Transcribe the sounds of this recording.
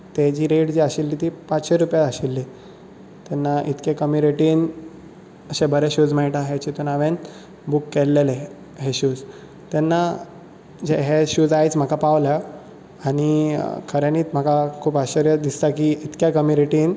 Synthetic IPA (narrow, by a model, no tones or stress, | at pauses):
t̪ed͡ʑiːɾeʈd͡ʑiːaɕilːiːt̪ipat͡sɕeɾupjaəɕilːi | t̪ɛnːaʔit̪kekəmiɾeʈiːn | əɕẽbəɾeɕuːd͡zmaiʈaɦet͡ɕit̪unaʋen | bukːelːele | ɦeɕuːd͡z | t̪ɛnːa | d͡ʑeɦeɕud͡zajt͡sm̤əkʰapaʋlja | aɽ̃ikʰəɾjaniːt̪m̤əkakʰuːpaɕəɾjəd̪ist̪akiit̪kjakəmiɾeʈiːn